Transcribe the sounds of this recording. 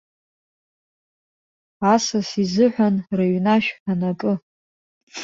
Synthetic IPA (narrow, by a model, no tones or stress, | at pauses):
asasizɨħʷᶣanraɥnaʃᶣanakʼɨ